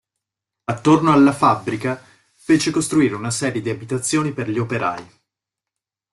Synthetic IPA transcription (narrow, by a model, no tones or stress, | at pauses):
at̪ːornoalːafabːɾika | feːt͡ʃekost̪ɾuiːɾeunasɛːɾjed̪iabit̪at̪sːjoːniperʎiopeɾa̰ːi